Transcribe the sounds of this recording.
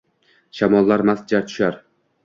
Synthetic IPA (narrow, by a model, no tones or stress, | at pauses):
ʃamɒlˠːaɾmasd͡ʒat̪ʰʊ̥ʃaɾ